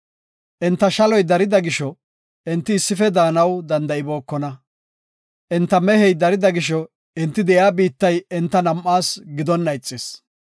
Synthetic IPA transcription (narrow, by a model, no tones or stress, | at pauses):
ʔɛnt̪ːɐʃɐlɔjd̪ɐɾɪd̪ɐɡɪʃɔ | ʔɪnt̪ːɪːsːɪfɛd̪aːnɐwd̪ɐnd̪ɐʔɪbo̞ːkːɔnɐ | ʔɪnt̪ːɐmɛhɛjd̪ɐɾɪd̪ɐɡɪʃɔ | ɪnt̪ːɪd̪ɛʔjaːbiːt̪ːɐjɛnt̪ːɐnɐmʔːaːsɡɪd̪ɔnːɐjt͡sʼːɪs